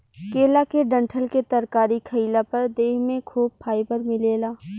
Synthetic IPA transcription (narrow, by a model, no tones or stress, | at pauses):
keːlakeɖə̃ɳʈʰəlket̪ɐɾkaːɾikʰɐɪlapɐɾd̪eːɦmẽkʰuːb̚pʰaːɪbəɾmɪleːlaː